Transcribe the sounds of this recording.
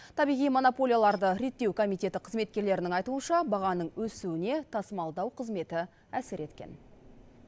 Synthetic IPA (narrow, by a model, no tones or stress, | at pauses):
t̪ʰɑbijʁijmo̞nopo̞lʲijalˠɑɾd̪əɾe̞t̪ːe̞wkʰo̞mijt̪ʲe̞t̪ɪqʰəzme̞t̪̚kʲe̞ɾle̞ɾɪnɪŋɑjt̪uənʃɑbɑʁɑnəɴwɵsuwɪne̞t̪ʰɑsəmɑlˠd̪ɑwqʰəzme̞t̪ɪ | æsɪɾʔe̞t̪kʲe̞̰n